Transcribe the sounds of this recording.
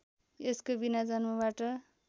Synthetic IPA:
eskobinad͡zʌnmʌbaʈʌ

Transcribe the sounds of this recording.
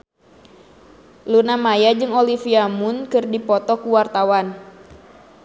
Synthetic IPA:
lunamajad͡ʒɨŋolifiamunkɨrdipɔt̪ɔkuwart̪awan

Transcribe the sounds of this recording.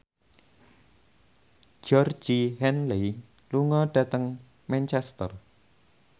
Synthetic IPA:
d͡ʒɔrd͡ʒiɦɛnle | luŋɔɖ̥a̤t̪əŋ | mɛnt͡ʃɛst̪ər

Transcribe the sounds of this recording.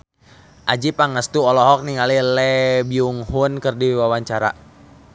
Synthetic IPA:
ʔad͡ʒipaŋəst̪uɔlɔɦɔk̚niŋalilɛbiuŋhunkərdiwawaɲt͡ʃaɾa̰

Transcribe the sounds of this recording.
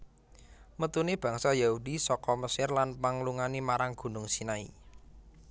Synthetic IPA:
mət̪unib̥ä̤ŋsajaudisɔkɔməsɪrlanpaŋluŋanimaɾaŋɡ̥ṳnʊŋsinaḭ

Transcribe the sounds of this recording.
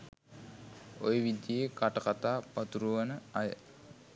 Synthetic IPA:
ojəʋid̪jekaʈəkat̪aːpat̪uɾuʋanəajə̰

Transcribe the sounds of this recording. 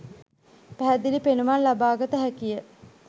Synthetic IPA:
pæɦæd̪ilipenuʋanlabaːɡət̪əɦækijə

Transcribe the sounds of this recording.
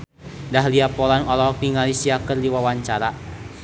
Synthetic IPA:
daɦliapɔlanɔlɔɦɔk̚niŋalisiakərdiwawaɲt͡ʃaɾa

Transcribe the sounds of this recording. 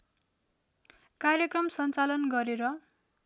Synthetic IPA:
karjekrʌmsʌnt͡salʌnɡʌɾeɾʌ

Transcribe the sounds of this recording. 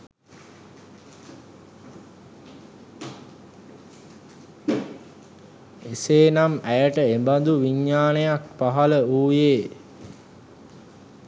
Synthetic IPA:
eseːnamæjəʈəemband̪uʋiɲːaːnəjak̚paɦaləuːjeː

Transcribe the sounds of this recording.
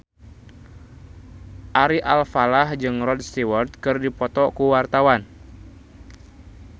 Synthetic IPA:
ʔaɾiʔalfalahd͡ʒɨŋrɔd̚st̪iwɔrt̪̚kɨrdipɔt̪ɔkuwart̪awan

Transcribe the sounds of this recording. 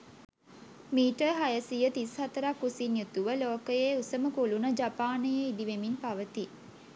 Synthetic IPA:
miːʈəɦajəsijət̪ishat̪əɾakːusinjut̪uʋəloːkəjeːusəməkulunəd͡ʒapaːnəjəid̪iʋeminpaʋət̪i

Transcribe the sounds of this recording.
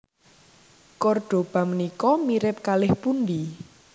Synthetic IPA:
kɔrɖ̥o̤b̥a̤mənikɔmiɾɪp̚kalɪhpund̪i

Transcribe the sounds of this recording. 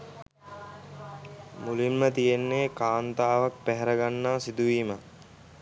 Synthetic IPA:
mulimːət̪ijenːeːkaːnt̪aːʋak̚pæɦɛɾəɡanːaːsid̪uʋiːmə

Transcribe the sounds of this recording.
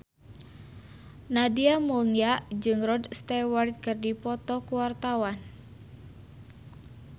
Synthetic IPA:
nadiamulniaʔd͡ʒɨŋrɔdst̪ɛwart̪̚kɨrdipɔt̪ɔkuwart̪awan

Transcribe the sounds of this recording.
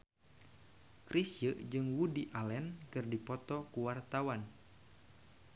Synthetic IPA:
kɾisjəʔd͡ʒɨŋwudiʔalɛnkɨrdipɔt̪ɔkuwart̪awan

